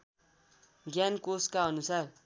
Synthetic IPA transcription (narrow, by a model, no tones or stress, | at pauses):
ɡjankoskaʌnusar